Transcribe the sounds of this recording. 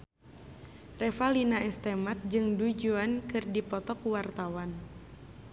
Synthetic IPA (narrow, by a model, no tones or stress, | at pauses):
rɛfalinaɛst̪ɛmat̪̚d͡ʒɨŋdud͡ʒuankɨrdipɔt̪ɔkuwart̪awan